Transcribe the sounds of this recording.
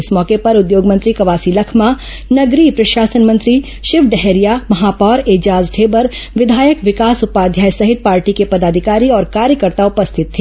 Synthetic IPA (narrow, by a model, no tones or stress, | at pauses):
ɪsmɔːkepɐɾʊd̪joːɡmɐ̃nt̪ɾikɐʋaːsilɐkʰma | nɐɡɾipɾɐʃaːsənmɐ̃nt̪ɾi | ʃɪʋɖɛɦeɾijamɐɦaːpɔːɾeːd͡ʒaːzʈʰeːbəɾʋɪd̪ʱaːjəkʋɪkaːsʊpaːd̪ʱjaːjsɐɦɪt̪̚paːɾʈikepɐd̪aːd̪ʱɪkaːɾiɔːɾkaːɾjəkəɾt̪aʊpəst̪ʰɪt̪ʰːeː